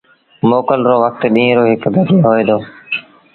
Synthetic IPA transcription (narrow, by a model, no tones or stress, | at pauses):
moːkəlɾoːʋək̚t̪ɗĩːɾoːɦɪkb̪əd̪ʱeːɦoːeːd̪oː